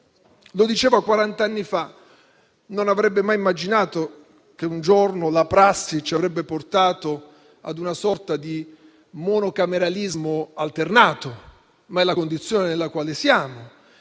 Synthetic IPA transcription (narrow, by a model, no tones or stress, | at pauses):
lod̪it͡ʃeːvakwaɾant̪anːifa | nonavɾɛbːemajimːad͡ʒinaːt̪o | k̟eund͡ʒornolapɾasːit͡ʃiavɾɛbːeport̪aːt̪o | a̰d̪unasɔrt̪ad̪i | monokameɾalizmoalt̪ernaːt̪o | maɛlːakond̪it̪sːjoːnenelːakwaːlesjaːmo